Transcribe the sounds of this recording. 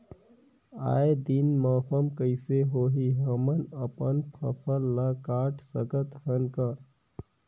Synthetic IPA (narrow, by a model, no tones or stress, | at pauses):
a̰ːjed̪inməpʰəmkəɪseɦoɦiɦəmənəpənpʰə̰pʰəlːakaʈʰsəkət̪ɦənkə